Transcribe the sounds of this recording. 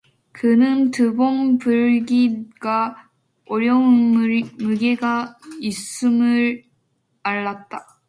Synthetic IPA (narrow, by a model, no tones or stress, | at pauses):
kɯnɯntɯbonpuɭɡiɡ̥a | oɾjʌunmɯɡeɡais͈ɯmɯɾ | aɭːat̚t͈a